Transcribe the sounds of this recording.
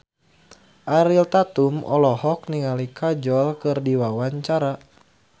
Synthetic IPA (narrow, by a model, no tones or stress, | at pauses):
ʔaɾilt̪at̪umɔ̰lɔhɔk̚niŋalikʰad͡ʒɔlkɨrdiwawaɲt͡ʃaɾa